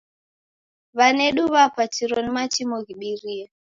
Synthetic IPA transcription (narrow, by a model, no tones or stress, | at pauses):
βanɛɗuβapatiɾɔnimat͡ʃimɔɣiɓiɾia